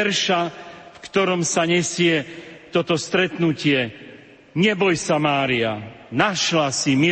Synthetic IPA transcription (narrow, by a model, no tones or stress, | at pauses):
ɛɾʃafkt̪ɔɾɔmsaɲɛsɪɛt̪ɔt̪ɔst̪ɾɛt̪nucɪɛ | ɲɛbɔjsamaːɾianaʃlasimi